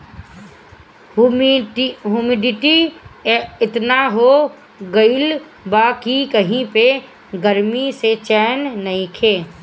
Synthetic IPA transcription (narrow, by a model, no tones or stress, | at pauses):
ɦuːmɪɖɪʈi | ɪt̪naɦo | ɡəɪl | baːkikəɦĩpe | ɡəɾmiset͡ʃɛːnːɐɦĩkʰeː